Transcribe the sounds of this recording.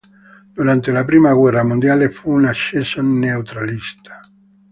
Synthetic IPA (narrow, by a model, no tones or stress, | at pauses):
d̪̥uɾant̪elapɾiːmaɡwɛrːamond̪jaːlefuːnaʃːesonneut̪ɾalist̪ḁ